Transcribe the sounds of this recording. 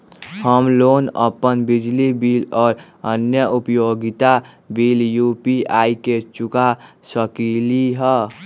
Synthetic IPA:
həmloːnə̰pənbɪd͡ʒlibiːlɔːɾ | ənjəʔupjoɡit̪a | biːljupiʔaːiket͡ʃʊkasəkiliɦɛ

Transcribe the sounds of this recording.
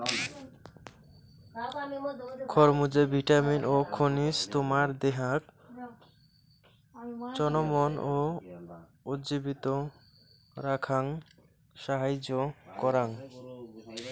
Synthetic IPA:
kʰɔɾmud͡ʑebʱiʈaminʔokʰonist̪omaɾd̪eɦak | t͡ɕɔnomono | utd͡ʑibit̪o | ɾakʰaŋ | ʃaɦajd͡ʑokɔɾaŋ

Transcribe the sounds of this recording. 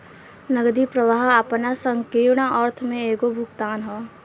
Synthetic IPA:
nəɡd̪ipɾəʋaːɦəpnasə̃ŋkiːɾɳaʔɔːɾt̪ʰmẽeːkobʱʊɡt̪aːnɦɔː

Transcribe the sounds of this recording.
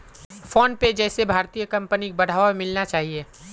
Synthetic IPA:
fɔːnped͡ʒɛːsebʱaːɾt̪ijəkɐ̃mpənibɐɽ̤aːʋaemɪlnat͡ʃaːɦieː

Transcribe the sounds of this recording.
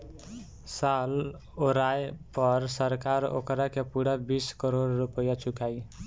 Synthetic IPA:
sal | oɾajpəɾsəɾkaɾo̰kɾakepuɽabiskəɾoɽːupəjat͡ʃʰukai

